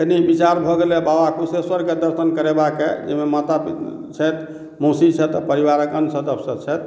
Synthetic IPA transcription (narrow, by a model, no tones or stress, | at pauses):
jenibit͡ʃaɾbʱɔɡelebawakuseswəɾked̪əɾsənkəɾebakḛd͡ʒɛmemat̪api | t͡ʃʰɛt̪ | mosit͡ʃʰɛt̪ɔpəɾiwaɾəkənsʰəd̪əpʰsəd̪t͡ʃʰɛt̪